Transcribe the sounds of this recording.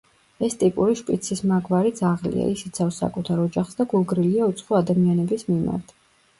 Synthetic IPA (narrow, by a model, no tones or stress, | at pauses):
ɛst̪ʼipʼuɾiʃpʼit̪sʰismaɡvaɾit̪sʰaʁlḭa̰isi̥t̪sʰavsa̰kʼut̪ʰaɾɔd͡ʒaχsd̪aɡulˠɡɾiliaut̪sʰχɔad̪amianɛbismima̰ɾt̪ʰ